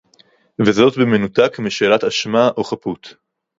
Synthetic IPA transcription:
vezo̞tbemenutakmiʃe̞lat̪aʃmaʔoχaput̪

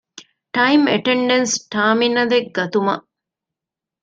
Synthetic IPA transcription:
ʈɐjimḛʈeɳɖensʈaːminɐd̪ek̚ɡɐt̪umɐ̰ʔ

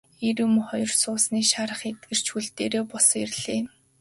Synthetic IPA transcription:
eɾʊ̆mχɔjɞ̆rsʊːsniːʃaɾə̆χet̪̚ɡɘ̆r̥t͡ɕxuɮt̪eːɾeːpɔserɮeː

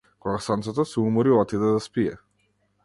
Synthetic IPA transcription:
kɔɡasant̪sɛt̪ɔsɛumɔɾilˠat̪id̪ɛd̪aspiɛ̰

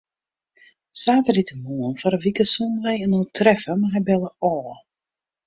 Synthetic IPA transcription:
saːtərditəmuənfɔɾəʋikəsunlɛjənotʰrɛfəmaɦɛjbɛlˠəʔɔː

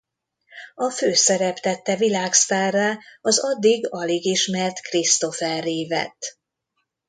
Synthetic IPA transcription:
ɒføːsɛɾɛpt̪ɛt̪ːɛvilaːkst̪ɛrːɛɒzɒd̪ːiɡɒleɡiʃmɛrt̪krist̪o̞fɛrːiːvɛ̰t̪

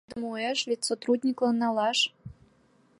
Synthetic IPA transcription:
d̪əmueʃlʲit̪sot̪ɾud̪ʲnʲiklˠɑnːɑlɑʃ

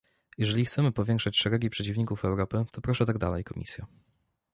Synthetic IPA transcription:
jɛʐɛlʲixt̪sɛmɘpɔvʲjɛŋkʂat͡ɕʂɛɾɛɡʲipʂɛt͡ɕivɲikufɛwɾɔpɘt̪ɔpɾɔʂɛt̪aɡd̪a̰lɛjkɔmʲḭsʲja̰

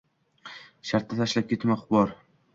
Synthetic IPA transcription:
ʃaɾt̪ːat̪ʰaʃlap̚kʲʰe̞t̪maχʊbɒɾ

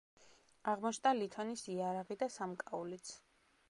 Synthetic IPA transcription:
aʁmɔt͡ʃʰd̪alit̪ʰɔnisiaɾaʁid̪asamkʼaulit̪sʰ

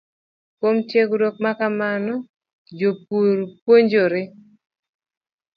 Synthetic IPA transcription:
kwomtjeɡɾok̚makamanɔ | d͡ʒop̚uɾpwoɲd͡ʒoɾɪ

